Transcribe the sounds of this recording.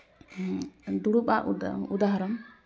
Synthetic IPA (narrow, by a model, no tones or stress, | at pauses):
d̪uɽupaʔud̪aɦaɾɔm